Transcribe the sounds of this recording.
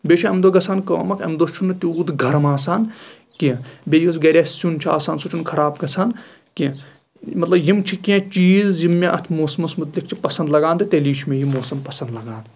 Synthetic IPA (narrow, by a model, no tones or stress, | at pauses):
beːʃʰaɐmd̪oɡɐt͡sʰaːnkɐːmɐkɐ̰md̪ot͡ʃʰunːɨt̪iuːd̪ɡʱɐɾɐmaːsaːn | kĩbejos̬ɡɐɾʲassunt͡ʃʰia̰ːsaːnsut͡ʃʰunkʰɐɾaːbɡɐt͡sʰaːn | kẽ | mɐt̪lɐbjimt͡ʃʰikẽt͡ʃiːzjimːẽʔɐt̪ʰmoːsmɐsmɨt̪lik̚ʰt͡ʃʰipɐsɐ̃nd̪lɐɡaːnd̪it̪eliːt͡ʃʰmẽjimːoːsɐmpɐsɐ̃nd̪lɐɡãːnd̪